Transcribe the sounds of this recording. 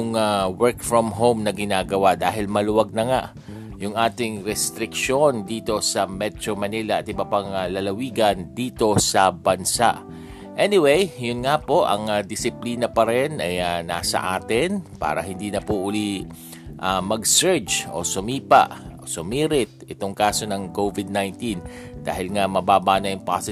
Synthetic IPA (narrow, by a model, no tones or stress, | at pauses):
ʊŋawɛɹkfɹɔmɦomnɐɡɪnaːɡɐwad̪aːɦɪlmɐlʊwɐɡ̚nɐŋaʔ | jʊŋʔaːt̪ɪŋɾɛst̪ɾɪkʃo̞nd̪iːt̪o̞sɐmɛt̪ɾomɐnilɐʔɐt̪̚ɪbapɐŋalɐlɐwiːɡɐnd̪iːt̪o̞sɐbɐnsa̰ʔ | ʔɛnɪwejjʊnŋapo̞ʔɐ̰ŋad̪ɪsɪpliːnɐpɐɾɛnʔɐjana̰ːsɐ̰ʔa̰ːt̪ɪnpa̰ːɾɐɦɪnd̪iːnɐpuʔʊli | ʔamɐɡsɛɹd͡ʒt͡ʃʔo̰sʊmiːpa̰ʔosʊmiːɾɪt̪̚ɪt̪oŋkaːso̞nɐŋkovɪd̪̚najnt̪in | d̪a̰ːhɪlŋamɐbaːbanɐjʊŋpa̰sɪ